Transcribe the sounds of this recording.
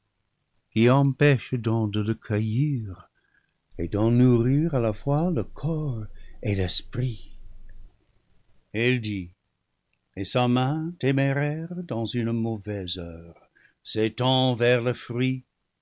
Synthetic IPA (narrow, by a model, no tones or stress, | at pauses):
kiɑ̃pɛʃdɔ̃dələkʰəjiʁ | edɑ̃nuʁiʁalafwaləkʰɔʁelɛspʁi | ɛldi | esamɛ̃temeʁɛʁdɑ̃zynmovɛzœʁ | setɑ̃vɛʁləfʁɥi